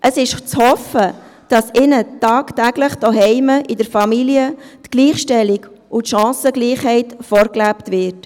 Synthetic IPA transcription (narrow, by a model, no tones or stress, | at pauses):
ʔəsɪʃt͡shɔfəd̥ɑsɪnətɑːktæɡ̥ləχd̥ɔɦɛɪməʔɪdəɾfɑmiliətɡ̥liːχʃtɛliɡ | ʊtʃɑ̃ːsəɡliːχhɛɪtfɔːɾklæptʋɪːɾt